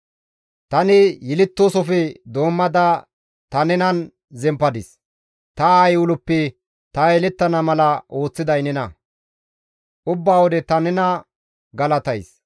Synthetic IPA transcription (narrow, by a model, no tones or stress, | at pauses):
t̪ɐnɪjɪlɪt̪ːoːsɔfɛd̪o̞ːmːɐd̪ɐ | t̪ɐnɛnɐn | zɛmpːɐd̪ɪs | t̪ɐajʊlʊpːɛ | t̪ɐɛlɪt̪ːɐnɐmɐlɐʔo̞ːt͡sːɪd̪ɐjnɛnɐ | ʔʊbːaːwɔd̪ɛt̪ɐnɛnɐ | ɡɐlɐt̪ɐjs